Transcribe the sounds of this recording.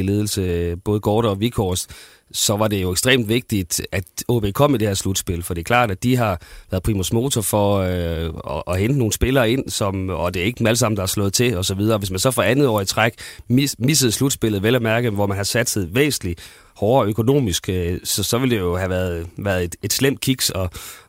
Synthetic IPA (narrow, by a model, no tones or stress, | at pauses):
ile̝ːð̞ˠl̩səb̥ɔ̽ːð̞̩ˠɡ̥ʰɒːɾɒ̽ʋikʰɒsd̥ | sɒ̽ʋɑ̈d̥e̝jo̝eɡsd̥ʁḛːmd̥ʋe̝ɡ̥̚d̥id̥æd̥oːb̥e̝kʰɒ̽m̰id̥e̝heɐslud̥sb̥e̝lfɒ̽d̥e̝ɐkʰlɑ̰̈ːd̥æd̥iɦɑ̈ʋæːɐðˠpʰʁiːmosmo̝ːt͡sʰɒfɒ̽ | ɒʔːhend̥əno̝ːn̩sb̥e̝lɐːe̝n̰sɒ̽mɒd̥e̝ɐe̝ɡ̥ə̥æləsɑ̈m̰n̩d̥ɑhæɐslɔ̽ːð̩ˠt͡sʰe̝ɒ̽sɒ̽ʋið̞ˠɐːʋesmænsɒ̽fʁɑ̈ænð̩ˠɒ̰ːit͡sʰʁaɡ̥misəð̩ˠslud̥sb̥e̝l̰ð̞̩ˠʋelæmæɐɡ̥əʋɒmænhɑ̈sæd̥seð̩ˠʋḛːsn̩li | hɒːøkʰo̝no̝̰ːmisɡ̥sɒ̽sɒ̽ʋe̝ld̥e̝jo̝ɦæʋæɐð̩ˠʋæːɐðˠe̝d̥e̝d̥slem̰d̥̚kʰiɡ̥sɒ̽